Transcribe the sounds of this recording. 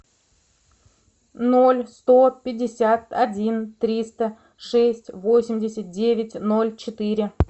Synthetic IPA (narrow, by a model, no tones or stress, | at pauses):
nolʲst̪o̞pʲɪdʲːɪsʲat̪ɐdʲint̪ɾʲist̪ə | ʂɛsʲtʲvo̞sʲɪmʲdʲɪsʲət̪̚dʲevʲɪtʲno̞lʲt͡ɕɪt̪ɨɾʲɪ